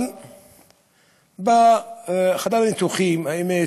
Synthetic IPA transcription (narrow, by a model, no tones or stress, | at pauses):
n | ba | χad̪alanit̪uχimaime